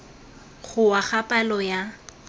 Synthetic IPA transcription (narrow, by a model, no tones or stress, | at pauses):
χʊwaχapʼalɔja